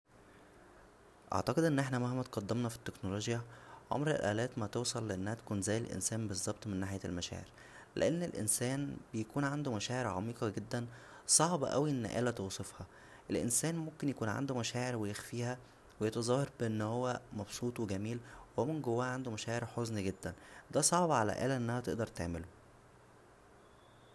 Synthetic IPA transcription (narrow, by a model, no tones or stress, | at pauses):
ʔɑ̰ʕt̪ɑqed̪ʔenːʔeħnæmæhæmːæt̪qɑd̪ːemnɑfi̥t̪ːeknoloːɡjæʕo̰mɾelʔæ̰ːlæːt̪mæt̪owsˤɑlːeʔenːæhæt̪ækuːnzæːjelʔḛnsæːmbezˤːɑb̚t̪ˤmenːaːħjælmæʃæ̰ːʕḛɾ | lḛʔenːelʔḛnsæːnbejækuːnʕand̪umæʃæːʕeɾʕɑ̰miːqɑɡed̪ːænsˤɑʕbɑ̰ʔæwiʔen̰ːʔæ̰læt̪oːsˤefhɑ | ʔelʔḛnsæːnmomkenjækuːnʕa̰nd̪omæʃæːʕeɾwejexfiːhæ | wejɑt̪ɑzˤɑːhɑɾˤbeʔenːhowːæmɑbsˤuːt̪ˤweɡæmiːlwemenɡowːæːʕand̪omæʃæːʕeɾħoznɡed̪ːænd̪æːsˤɑʕbɑʕalæ̰ʔæ̰ːlæʔenːæhæt̪ḛʔd̪ɑɾˤt̪ḛʕmelo